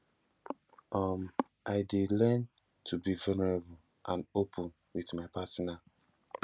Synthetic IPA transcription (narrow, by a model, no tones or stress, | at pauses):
ʔɔm | ʔaɪdelɛn | tʰubivanɛɹabʊl̩ | ʔãnopʰũn | wiθmaɪpʰatna